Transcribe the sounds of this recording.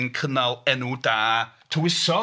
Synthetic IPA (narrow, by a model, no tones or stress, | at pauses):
nkʰənalˠɛnudaːtʰəwɪsɔ